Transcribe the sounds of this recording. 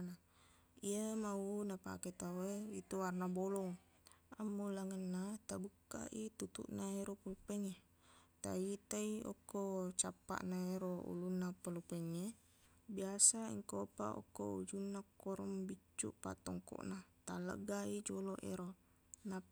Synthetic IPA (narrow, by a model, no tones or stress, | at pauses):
na | iəmaunapa̰ket̪awəit̪uwarnabolɔŋ | amːulaŋənːat̪abuka̰ʔit̪ut̪ṵʔnaeɾopəlupɛŋe | t̪a̰it̪aiɔ̰kot͡ʃapa̰ʔnaeɾoṵlunːapəlupɛŋe | biasaḭŋkopa̰o̰koṵd͡ʒunːakoɾəmbit͡ʃṵʔpa̰t̪ɔŋkɔ̰ʔnat̪alə̰ɡaid͡ʒolɔʔḛɾo | na